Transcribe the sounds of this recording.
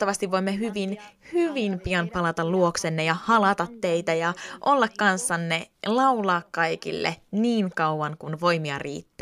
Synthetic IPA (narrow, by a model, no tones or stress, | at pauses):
ɑʋɑst̪iʋʋo̞imːeɦyʋinhyʋimpiɑnpɑlɑt̪ɑlluoksenːejɑhɑlɑt̪ɑt̪ːeit̪æjɑʔolːɑkkɑnsːɑnːelɑwlɑːkkɑjkḭlːḛniːŋkɑuʋɑŋkunʋo̞jmiɑ̰rḭːt̪ːæ